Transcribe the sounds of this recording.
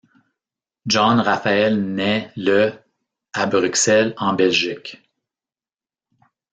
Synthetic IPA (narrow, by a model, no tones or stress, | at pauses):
ʒɑ̃nʁafaɛlnɛlə | abʁyksɛlɑ̃bɛlʒik